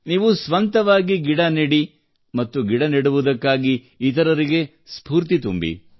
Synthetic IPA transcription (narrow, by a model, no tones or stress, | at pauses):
niːʋusʋɐnt̪ɐʋaːɡiɡiɽɐniɽi | mɐt̪ːuɡiɽɐniɽuʋud̪ɐkːaːɡiː | t̪ɐɾɐɾiɡe̞ | spuːɾt̪it̪umbḭ